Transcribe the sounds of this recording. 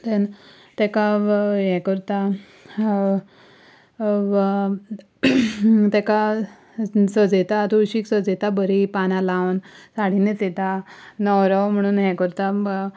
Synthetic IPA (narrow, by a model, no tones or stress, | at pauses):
t̪en | t̪ɛkaɦɛkəɾt̪a | t̪ɛka | səd͡zet̪at̪uɕiːksəd͡zet̪abəɾipanãlawnsaɽ̤inet͡set̪anəwɾəwm̤əɽ̃uːnɦɛkəɾt̪a